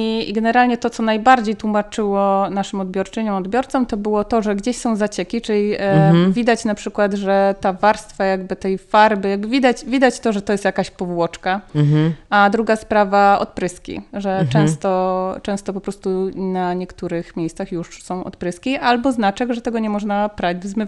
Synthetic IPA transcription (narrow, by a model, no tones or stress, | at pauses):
ɡɛnɛɾalɲɛt̪ɔt̪ɔnajbaɾd͡ʑejt̪wumat͡ʂɘwɔnaʂɘmɔd̪bʲjɔɾt͡ʂɘɲɔ̃w̃ɔd̪bʲjɔɾt̪sɔmt̪ɔbɘwɔt̪ɔʐɛɡd͡ʑeɕsɔ̃w̃zat͡ɕɛkʲit͡ʂɘlʲivʲid̪at͡ɕnapʂɘkwad̪ʐɛt̪avaɾst̪fajaɡ̚bɘt̪ɛjfaɾbɘjabɘvʲid̪at͡ɕvʲid̪at͡ɕt̪ɔʐɛt̪ɔjɛst̪jakaɕpɔvwɔt͡ʂka | ad̪ɾuɡaspɾavaɔ̰t̪̚pɾɘskʲḭʐɛt͡ʂɛ̃w̃st̪ɔt͡ʂɛ̃w̃st̪ɔpɔpɾɔst̪unaɲɛkt̪uɾɘxmʲjejst̪saxjuʂsɔ̃w̃ɔ̰t̪pɾɘskʲiʔalbɔznat͡ʂɛɡʐɛt̪ɛɡɔɲɛmɔʐnapɾad͡ʑvzmɘv